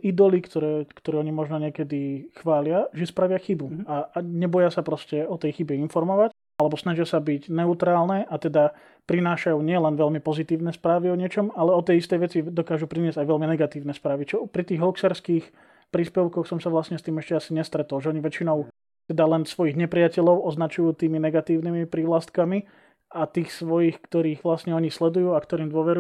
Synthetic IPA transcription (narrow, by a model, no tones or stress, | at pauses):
ʔid̪ɔlikt̪ɔɾɛːkt̪ɔɾɛɔɲimɔʒnɔɲɪɛkɛd̪ixʋaːlɪaʒɛspɾaʋɪaxibuaɲɛbɔjasapɾɔscɛɔt̪ɛjxibɛinfɔɾmɔʋac | alɛbɔsnaʒɪasabicnɛut̪ɾaːlˠnɛʔat̪ɛd̪a | pɾinaːʃajuɲɪɛlɛnʋɛlmipɔzit̪iːʊnɛspɾaːʋiɔɲɪɛt͡ʃɔmalɛɔt̪ɛjist̪ɛjʋɛt͡sid̪ɔkaːʒupɾinɪɛzɟajʋɛlminɛɡat̪iːʊnɛspɾaːʋit͡ʃɔpɾit̪iːɣɦluksɛɾskiːx | pɾiːspɛʊkɔxsɔmsaʋlasɲɛst̪iːmɛʃcɛasiɲɛst̪ɾɛt̪ɔlʒɛɔɲiʋɛt͡ʃinɔʊ | t̪ɛd̪alɛnsʋɔjiɣɲɛpɾɪacɛʎɔʊʔɔznat͡ʃujuːt̪iːminɛɡat̪iːʊnimipɾiːʋlast̪kami | at̪iːxsʋɔjiːxkt̪ɔɾiːɣʋlasɲɛɔɲislɛd̪ujuːakt̪ɔɾiːmd̪ʊɔʋɛɾu